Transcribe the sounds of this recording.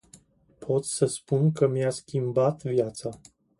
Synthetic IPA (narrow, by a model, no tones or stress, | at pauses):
pʰo̞t̪səspunkəmijaskʲimbat̪vjat̪sa